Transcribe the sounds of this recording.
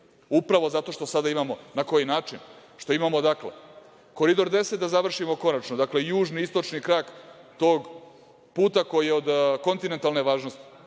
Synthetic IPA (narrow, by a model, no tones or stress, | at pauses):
upɾaʋo̞zat̪o̞ʃt̪o̞sad̪aimamo̞nako̞jinaːt͡ʃinʃt̪o̞imamod̪akle̞̰ | ko̞ɾid̪o̞ɾd̪e̞sed̪azaʋr̩ʂimo̞ko̞nat͡ʃnod̪akle̞juːʒniist̪o̞t͡ʃnikɾaːkt̪o̞ːɡ | puːt̪ako̞jijeo̞d̪ko̞nt̪ine̞nt̪alne̞ʋaːʒnost̪i̥